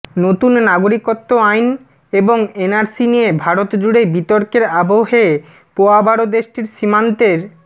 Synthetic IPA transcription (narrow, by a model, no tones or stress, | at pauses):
not̪unːaɡoɾikot̪ːoajn | eboŋenaɾsinijebʱaɾot̪d͡ʑuɽebit̪oɾkeɾabʱoɦe | poabaɽod̪eʃʈiɾʃimant̪eɾ